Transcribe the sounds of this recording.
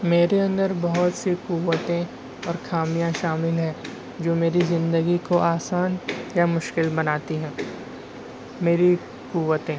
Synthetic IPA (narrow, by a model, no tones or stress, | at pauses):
meːɾeɐ̃nd̪əɾbɐɦʊt̪sikuwət̪ẽ | ɔːɾxaːmijãʃaːmɪlɦɛ̃ː | d͡ʒoːmeːɾizɪ̃nd̪əɡikoʔaːsaːnjamʊʃkɪlbɐnaːt̪iɦɛ̃ː | meːɾi | kuʋət̪ẽː